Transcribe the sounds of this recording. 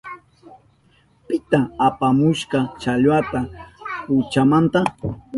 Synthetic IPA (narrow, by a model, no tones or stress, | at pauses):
pɪt̪aapamʊʃqɑt͡ʃaʎwat̪apʊt͡ʃamant̪a